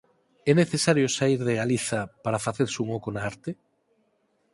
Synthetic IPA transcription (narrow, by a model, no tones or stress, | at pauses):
ɛneθesaɾjosaiɾðeɣaliθapaɾafaθeɾsuŋokonaaɾt̪e